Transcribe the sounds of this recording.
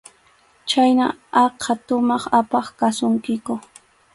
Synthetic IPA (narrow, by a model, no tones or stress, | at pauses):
t͡ʃajnaɑqʰɑt̪ʊmɑχapɑχkasʊŋkɪkʊ